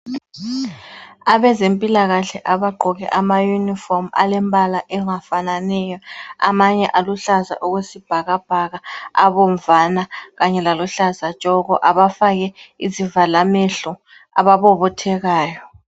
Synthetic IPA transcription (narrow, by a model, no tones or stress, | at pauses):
aβɛzempʼilaɣaɬɛʔaβaɡ͡ǃʱɔɣɛ̰ʔamajunifɔrma̰lɛmbʱalaʔɛŋafananɛjɔa̰maɲɛʔaluɬaza̰ʔuɣwesib̥ʱaɣab̥ʱaɣaaβɔɱvanaɣaɲɛlaluɬazḁt͡ʃʼɔɣɔʔaβafaɣɛizivalameɬɔ | a̰βaβɔβɔtʰɛɣaːjɔ